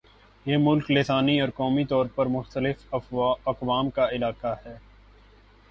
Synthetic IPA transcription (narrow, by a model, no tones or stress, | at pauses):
jeːmʊlklesaːniɔːɾkɔːmit̪ɔːɾpɐɾmʊxt̪əlɪfɐqʋaːmkaɪlaːqahɛː